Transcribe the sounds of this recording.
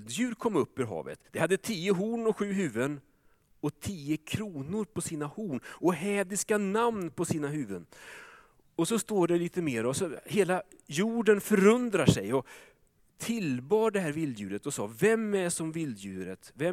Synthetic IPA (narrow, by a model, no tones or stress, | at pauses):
d̪jʉ̟ːɾkʰɔmːɵpːɵɾɦɑ̰ːvə̰t̪d̪̥ɛhad̪ːət̪ʰiːəɦuːɳɔɧʉ̟ːɦʉ̟ːvən | ɔt̪ʰiːəkʰɾuːnʊɾpʰɔsiːnahuːɳɔɦɛːd̪ɪskanamnpʰɔsiːnaɦʉ̟ːvə̰n | ɔsɔst̪oːɖɛliːt̪əmeːɾɔsɔheːlajuːɖənfœɾɵnd̪ɾaʂɛjɔ | t̪ʰɪlbɑːɖɛɦæːɾvɪld̪jʉ̟ːɾət̪ɔsɑ̰ːvɛmːæʂɔmvɪld̪jʉ̟ːɾə̰t̪vɛ